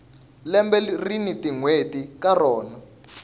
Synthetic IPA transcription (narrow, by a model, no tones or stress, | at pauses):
lɛmbɛrinitʼiŋwetʼikarɔːna